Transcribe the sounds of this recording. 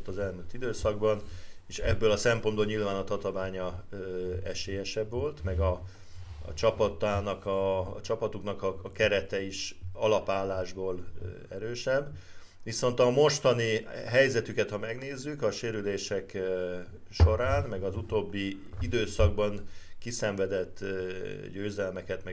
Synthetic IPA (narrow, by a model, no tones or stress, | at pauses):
t̪ɒzɛlɛnøt̪id̪øːsɒɡbɒneːʃɛ̰bːøːlɒsɛmponbolɲilvaːnɒt̪ɒt̪omaːɲɒ | ɛʃeːjɛʃɛbʋo̞lt̪mɛɡɒ̰ | t͡ʃɒpɒt̪aːnɒkɒt͡ʃɒpɒt̪uknɒkɒːkɛɾɛt̪ɛiʃɒlɒpaːlːaːʒboːl | ɛɾøːʃɛbː | ʋiso̞n̪t̪ɒmo̞ʃt̪ɒniɦɛjzɛt̪ykɛt̪hɒmɛɡn̪eːzːykɒʃeːɾyleːʃɛk | ʃo̞ɾaːnmɛɡɒzut̪oːbːi | id̪øːsɒɡ̚bɒŋkisɛɱvɛd̪ɛt̪ːɟøːzɛlmɛkɛt̪mɛ